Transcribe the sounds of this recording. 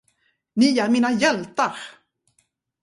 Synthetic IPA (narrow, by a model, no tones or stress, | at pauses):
niaɾmiːnajɛlt̪aɾ